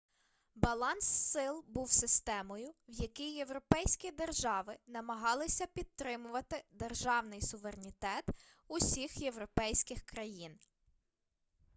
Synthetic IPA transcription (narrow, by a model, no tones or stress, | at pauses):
bɐlˠɑnsːɪlˠbuwsɪst̪ɛmɔjʊwjɐkʲijːe̞wɾɔpɛjsʲkʲid̪erʒɑʋɪnɐmɐɦɑlˠɪsʲɐpʲid̪̚t̪ːɾɪmʊʋɐt̪ɪd̪erʒɑwnɪjsʊʋeɾenʲit̪ɛt̪ | ʊsʲixje̞wɾɔpɛjsʲkɪxkɾɐjin